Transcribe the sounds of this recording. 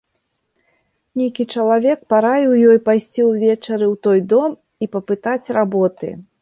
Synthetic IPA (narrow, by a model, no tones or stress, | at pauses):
nʲejkʲit͡ʂɐlˠavʲɛk̚paɾajɛwjɔjpajsʲt͡sʲiwvʲɛt͡ʂɐɾɨwt̪ɔjd̪ɔm | ipɐpɨt̪at͡sʲrabɔt̪ɨ̰